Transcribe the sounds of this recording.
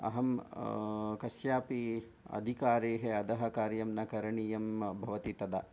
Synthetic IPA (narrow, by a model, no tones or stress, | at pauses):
ɐ̰ɦɐm | kɐsjaːpi | ɐ̰d̪ʱikaːɾeːɦeɐd̪ɐɦɐkaːɾjɐmnɐkɐɾɐɳijɐmbʱɐʋɐt̪it̪ɐd̪ɐ